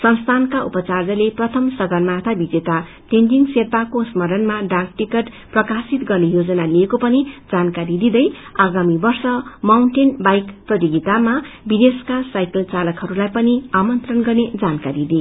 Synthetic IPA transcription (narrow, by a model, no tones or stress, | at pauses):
sʌnst̪ʰankaupʌt͡sard͡zʌleprʌt̪ʰʌmsʌɡʌnmat̪ʰabid͡zet̪a | ʈendiŋserpakosmʌɾʌnmaɖak̚ʈikeʈ | prʌkasit̪ɡʌrnejod͡zʌnaliekopʌnid͡zankaɾid̪id̪ʌjaɡamibʌrsʌmawɳʈenbajkprʌt̪iɡit̪amabid̪eskasajkʌlt͡salʌkɦʌɾulajpʌniamʌnt̪rʌnɡʌrned͡zankaɾid̪i